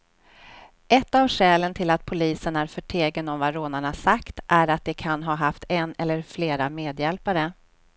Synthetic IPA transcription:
ʔɛt̪ːavɧɛːlənt̪ʰɪlat̪̚pʰʊliːsənæɾfœʈʰeːɡənɔmvaɾoːnaɳasakt̪ʔæɾat̪̚d̪ɛkʰanɦɑːɦaft̪ʰɛnɛlːəɾfleːɾameːd̪jɛlpaɾə

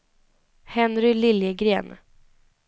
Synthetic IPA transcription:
hɛnɾʏlɪljəɡɾeːn

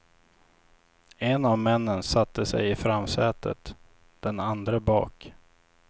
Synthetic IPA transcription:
ɛnavmɛnːənsat̪ːəsɛ̰jɪfɾamːsɛːt̪ʰə̰t̪ | d̪̥ɛnand̪ɾəbɑ̰ːk

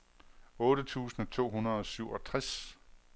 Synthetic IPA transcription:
ɔ̽ːɾ̥ət͡sʰṵːsn̩ɒt͡sʰo̝̰ːɦunɐðˠɒ̽syʊ̰ɒ̽t͡sʰʁas

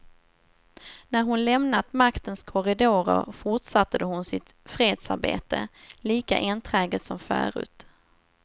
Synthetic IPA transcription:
næɾɦʊnlɛmnat̪makt̪ənskʰɔɾɪd̪oːɾə̰ɾfʊʈʂat̪ːad̪əhʊnsɪt̪fɾeːd̪sa̰ɾbḛːt̪ə̰liːka̰ʔɪnt̪ʰɾɛːɡət̪sɔmfœ̰ːɾʉ̟̰ːt̪

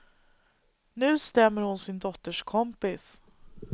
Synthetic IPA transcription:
nʉ̟ːst̪ɛmːəɾhʊnsɪnd̪ɔt̪ːəʂkʰɔmpɪs

